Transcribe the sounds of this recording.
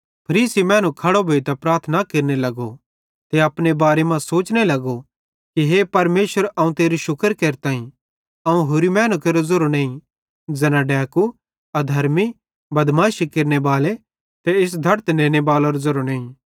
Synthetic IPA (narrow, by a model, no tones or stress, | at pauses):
pʰɐɾiːsimɛ̃ːnũkʰɐɽobʱoːit̪ɐpɾaːɾt̪ʰnakeːɾnelɐɡo | t̪eɐpnebaːɾemãsoːt͡ʃnelɐɡo | kiɦepɐɾmeːʃʋəɾɐũt̪eːɾiʃʊkəɾkeːɾt̪aːĩ | ɐũɦoːɾimɛ̃ːnũkeːɾozɐɾonẽːĩ | d͡zɐnaɖɛːku | ɐd̪ʱɐɾmi | bɐd̪mãːʃikeɾnebaːle | t̪eɪs̬d̪ʱɐɾt̪nẽːnebaːloɾozɐɾonẽːĩ